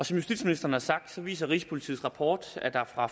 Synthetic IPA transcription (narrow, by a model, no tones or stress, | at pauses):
ɒ̽sɒ̽mjusd̥id̥sminisd̥ɐːn̩hɑ̈sɑ̈ɡ̥̚d̥sɒ̽ʋḭːsɐʁḭːsə̥pʰo̝lit͡sʰḭːʁɑ̈pʰɒ̰ːd̥æd̥ɑ̈ɐfʁɑ̈